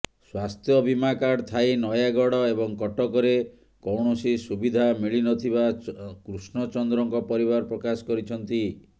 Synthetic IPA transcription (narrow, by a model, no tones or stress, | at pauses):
swast̪ʰjɔbʱimakaɽt̪ʰajnɔjaɡɔɽɔebɔŋkɔʈɔkɔɾe | kɔwɳɔsisubid̪ʱamiɭinɔt̪ʰibakɾusɳɔt͡ʃɔnd̪ɾɔŋkɔpɔɾibaɾpɾɔkasɔ̥kɔɾit͡ʃʰɔnt̪i